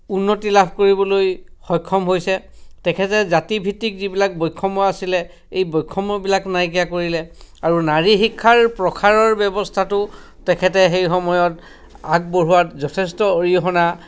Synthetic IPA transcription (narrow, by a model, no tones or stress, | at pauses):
unːotilabʱkoɹibɔlojxɔjkʰːɔmɦojsɛ | tɛkʰɛtɛzatibʱitːikzibilak̚bɔjkʰːɔmɔasilɛ | ejbɔjkʰːɔmɔbilaknajkijakoɹilɛaɹunaɹixikʰːaɹpɹɔkʰaɹɔɹbɛbɔstʰatʊ | tɛkʰɛtɛxejxɔmɔjɔt | ak̚boɹuwatzɔtʰɛstɔoɹiɔɦɔna